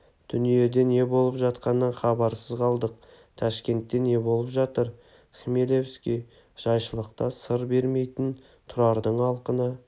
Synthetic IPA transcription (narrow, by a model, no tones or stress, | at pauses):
d̪̥ʏnije̞d̪e̞ne̞bo̞lˠəpʒɑt̪qɑnəχɑbɑɾsəzqʰɑlˠd̪əq̚ | t̪ʰɑʃkʲe̞nt̪ːe̞ne̞bo̞lˠəpʒɑt̪əɾ | xmelevskʲej | ʒ̥ɑjʃəlˠəqt̪ɑsəɾbe̞ɾme̞jt̪ɪn | t̪ʰʊɾɑɾd̪əɴɑlˠqənə